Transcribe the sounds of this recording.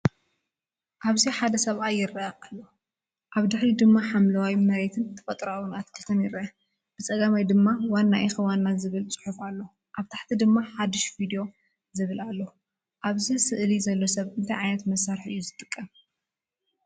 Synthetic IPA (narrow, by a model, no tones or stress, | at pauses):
ʔaβziħad̪ɐsɐβʔajːɪɾʔaʔalːo | ʔaβd̪ɨħɾid̪ɨmːaħamlɐwawjmɐɾet̪ʰɨnt̪ʰɐ̥fɐt̪ʼɾawunat̪kʰɨt̪ʰɐniɾɐ | b̥ɨt͡sʼɐɡamajd̪ɨmːawanːaʔixɨwanːazɨβɨlt͡sʼɨ̥ħufalːo̞ | ʔaβt̪ʰḁħt̪ʰid̪ɨmːaħad̪ɨʃvid̪ijo̞ | zɨβɨlalːo̞ | ʔaβzɨsɨʔlizɐlːo̞sɐβɨnt̪ʰajʕajnɐt̪mɐsaɾħɨ̰jːuzɨt̪ʼɨkʼːɐm